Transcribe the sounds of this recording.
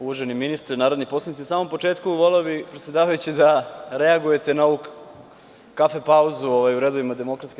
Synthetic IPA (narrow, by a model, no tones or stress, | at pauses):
uʋoʒeniminist̪ɾenaːɾod̪nipo̞slanit̪isaːmo̞mpo̞t͡ʃe̞ːt̪kuʋo̞leobipɾet̪sjed̪aːʋajut͡ɕid̪aɾeaɡuje̞t̪e̞naouk | kafepauzuoʋajuɾed̪oʋimad̪e̞mo̞kɾat̪ski